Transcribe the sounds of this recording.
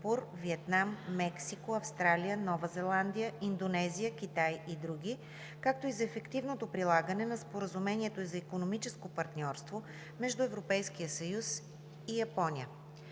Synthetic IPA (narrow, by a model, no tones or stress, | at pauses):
puɾviɛt̪namːɛksikoɐfst̪ɾalʲiənɔvɐzɛlˠand̪ijəind̪onɛzijək̟it̪ajid̪ɾuɡ̟i | kak̚t̪oizɐɛfɛkt̪ivnot̪opɾilˠaɡənɛnɐspoɾəzumɛniɛt̪oizɐikonomit͡ʃɛskopɐɾt̪nʲɔɾst̪vo | mɛʒd̪uɛvɾopɛjsk̟iəsɐjus | ijɐpɔniə